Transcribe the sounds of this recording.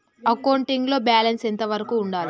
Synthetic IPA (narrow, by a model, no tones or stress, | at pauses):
ɐkɐwɳʈiŋɡlo̞ːbaːlɐnsent̪ɐʋɐɾɐkuːɳɖaːli